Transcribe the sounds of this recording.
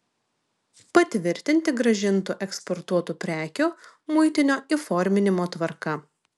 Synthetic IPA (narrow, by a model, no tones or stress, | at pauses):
pɐt̪ʲʋʲɪɾʲt̪ʲɪnʲt̪ʲɪɡɾɐʒʲɪnt̪ʊʔɛkspɔɾt̪uɔt̪upʲɾʲæːkʲu | mʊɪt̪ʲɪnʲoːiˑfɔɾʲmʲɪnʲɪmoːt̪ʋɐɾkɐ